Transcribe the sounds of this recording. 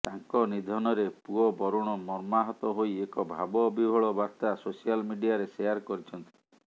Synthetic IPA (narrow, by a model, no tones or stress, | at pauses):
t̪aŋkɔnid̪ʱɔnɔɾepuɔbɔɾuɽ̃ɔmɔɾmaɦɔt̪ɔɦojekɔbʱa̰bɔːbibʱɔɭɔbaɾt̪asosialmiɖijaɾesejaɾkɔɾit͡ʃʰɔnt̪i̥